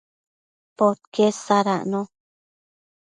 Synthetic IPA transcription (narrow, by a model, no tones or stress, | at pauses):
pot̪̚kesaɾa̰ʔnõ